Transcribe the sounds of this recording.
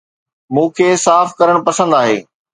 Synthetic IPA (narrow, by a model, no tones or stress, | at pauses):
mũːkʰeːsaːfkɐɾəɽ̃pɐsə̃nd̪aːɦḛː